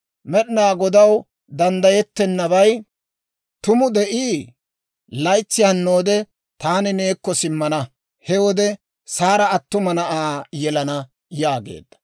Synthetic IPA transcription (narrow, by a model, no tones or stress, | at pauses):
mɛɗɪnaːɡɔd̪ɐw | d̪ɐnd̪ɐjɛt̪ːɛnːɐβɐj | t̪ʊmʊd̪ɛʔiː | lɐjt͡sːɪjɐnːo̞ːd̪ɛ | t̪aːnɪneːkːɔsɪmːɐnɐ | hɛwɔd̪ɛ | saːɾɐːt̪ːʊmɐnɐʔaːjɛlɐnɐ | jaːɡḛːd̪ːɐ̥